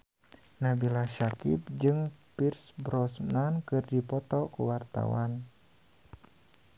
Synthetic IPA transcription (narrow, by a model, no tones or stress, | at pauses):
nabilaʃakḭp̚d͡ʒɨŋpirsbɾɔsmankɨrdipɔt̪ɔkuwart̪a̰wa̰n